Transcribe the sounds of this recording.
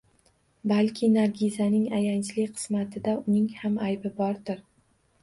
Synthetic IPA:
balkʲʰɪnaɾɡʲizanɪŋajant͡ʃlɪkʲqʰɨ̥smat̪ʰɪd̪aʊnɪŋhamajbɪbɒɾd̪ɪɾ

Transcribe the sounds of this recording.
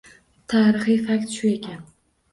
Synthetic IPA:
t̪ʰaːɾɨχɨjfak̚ʲt̪ʃʊe̞kʲʰan

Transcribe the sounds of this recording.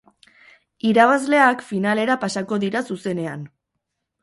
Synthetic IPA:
iɾaβ̞azle̞akfinale̞ɾapasako̞ðiɾasuse̞ne̞an

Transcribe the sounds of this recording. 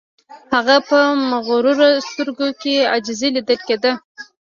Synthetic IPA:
haɣapəmaɣɾuɾost̪əɾɡokea̰d͡ʒzelid̪əlked̪ə

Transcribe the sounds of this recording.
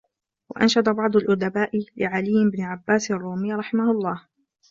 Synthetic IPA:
wa̰ʔa̰nʃad̪ˤabɑʕd̪ˤalʔʊd̪abaːʔɪlɪʕalɪjːɪbnɪʕabːaːsrˤːuːmɪjːɾˤɑħɪmahʊɑlˤːɑːh

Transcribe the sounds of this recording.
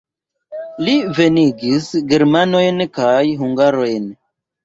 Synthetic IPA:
live̞niɡisɡe̞ɾmano̞jnkajɦuŋɡaɾo̞jn

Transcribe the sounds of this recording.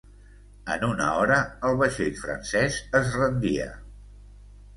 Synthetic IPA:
ə̰nunə̰ɔɾəəlˠβəʃiʎfɾə̰nsɛzəzrənd̪iə̰

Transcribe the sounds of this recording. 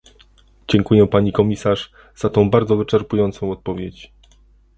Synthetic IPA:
d͡ʑɛŋkujɛpaɲikɔmʲisaʐ | z̥at̪ɔ̃w̃baɾd̪zɔvɘt͡ʂɛɾpujɔnt̪sɔ̃w̃ɔt̪̚pɔvʲjet͡ɕ

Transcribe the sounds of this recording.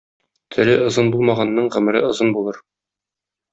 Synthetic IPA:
t̪ʰɵ̆ɾɘŏzɤnbulˠmɑʁɑnːɤɴʁɵ̆mɘ̆ɾɘ̰ŏzɤnbulˠɤɾ

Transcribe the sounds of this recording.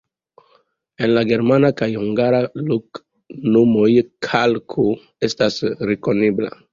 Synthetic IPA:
enlaɡe̞ɾmanakajhuŋɡaɾaluk | numojkʰalkʰo | estasɾeko̞nebla̰

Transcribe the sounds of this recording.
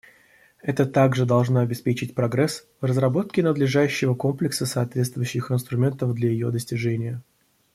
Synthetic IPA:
ɛt̪ət̪aɡʐɨd̪ɐlˠʐnoɐbʲɪspʲet͡ɕɪtʲpɾɐɡɾɛsvrəzrɐbo̞t̪̚kʲɪnəd̪lʲɪʐajʉɕːɪvəko̞mplʲɪksəsɐːt̪vʲe̞t̪st̪vʊjʉɕːɪxɪnst̪ɾʊmʲe̞nt̪əvd̪lʲajɪjo̞d̪əsʲtʲɪʐɛnʲɪjə

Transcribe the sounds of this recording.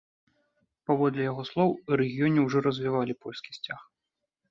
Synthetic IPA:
pavɔd̪lʲɛjaɣɔslˠɔwiɾɛɣʲijɔnʲɛwʐɔɾɐzʲvʲivalʲipɔlʲskʲi̥sʲt͡sʲax

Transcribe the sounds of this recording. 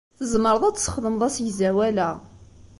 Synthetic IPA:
θəzməɾˤəðˤæt͡sːsə̥χðəmðˤæsjzæwælæ

